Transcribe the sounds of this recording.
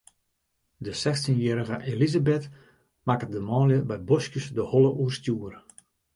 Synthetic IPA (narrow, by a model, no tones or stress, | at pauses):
dəsɛxtinjɛːɾəɣəʔelizabɛt | makədəmɔːljəbɛjbɔskjəsdəhɔlˠəʔuərstjuːərə